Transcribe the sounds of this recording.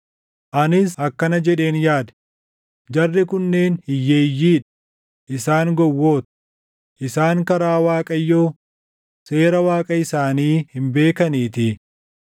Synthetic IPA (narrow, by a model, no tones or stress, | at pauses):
ʔɐnɪshɐkːɐnɐd͡ʒɛᶑe̞ːnjaːd̪ɛ̥ | d͡ʒɐrːɪkʊnːe̞ːnhɪjːeːjːiːᶑɐ | ʔɪsaːŋɡɔwːo̞ːt̪ɐ̥ | ʔɪsaːŋkɐɾaːwaːkʼɐjːo̞ː | se̞ːɾɐwaːkʼɐɪsaːniːhɪmbe̞ːkɐniːt̪ɪ